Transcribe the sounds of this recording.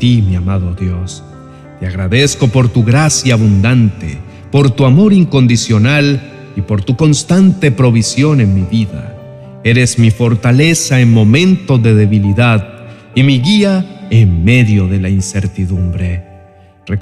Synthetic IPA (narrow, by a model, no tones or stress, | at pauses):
t̪imiamaðoðjo̞s | t̪eaɣɾaðe̞sko̞po̞ɾt̪uɣɾasjaːβund̪ant̪ḛ | po̞ɾt̪uamo̞ɾiŋko̞nd̪isjo̞nal | ipo̞ɾt̪uko̞nst̪ant̪e̞pɾo̞βisjo̞ne̞nmiβiða̰ | e̞ɾezmifo̞ɾt̪ale̞saeŋmo̞mẽ̞nt̪o̞ðeðe̞βiliðað | imiɣiaeŋme̞ðjo̞ðe̞lainse̞ɾt̪iðumbɾe̞ | re